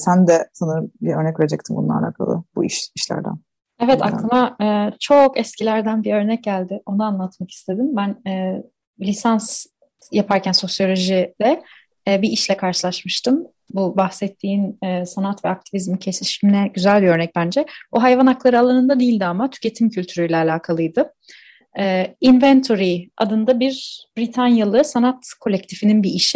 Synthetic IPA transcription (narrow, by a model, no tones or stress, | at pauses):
sænd̪ɛsanɯɾɯmbiøɾnɛcve̞ɾed͡ʒɛc̚t̪ʰimbṵnˠa̰ɾa̰kʰa̰lˠɯ̰bṵḭʃiʃlʲæ̰ɾd̪æ̰n | evɛt̪a̰klˠɯmaɯːt͡ʃʰo̞kɛscʰilʲæɾd̪ænbiø̞ɾnɛc̚ɟælʲd̪ɪo̞naanlˠat̪maki̥st̪ʰe̞d̪imbænɛː | lʲisans | japʰaɾcʰænso̞sjo̞lʲo̞ʒid̪ɛ | biiʃlʲɛkʰaɾʃɯlˠaʃmɯʃt̪ɯm | bubaxsɛt̪ʰːiːnɛːsanat̪vɛak̚t̪ʰivizmicʰe̞siʃminɛɟyzælʲbiø̞ɾnɛc̚bænd͡ʒɛbuɦajvanaklˠaɾɯalˠanɯnd̪ad̪iːlʲd̪iamat̪ʰy̥cʰe̞t̪ʰimcʰylʲt̪ʰyɾyjlʲɛːlʲaːkʰalˠɯjd̪ɯ | ɛːinvɛnt̪ʰoɾia̰d̪ɯnd̪abiɾbɾit̪ʰanjalˠɯsanat̪kʰo̞lʲɛc̚t̪ʰifininbiiʃɪ